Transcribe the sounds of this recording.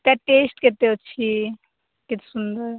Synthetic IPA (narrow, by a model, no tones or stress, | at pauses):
t̪aʈesʈket̪et͡ʃʰi | ket̪sund̪əɾ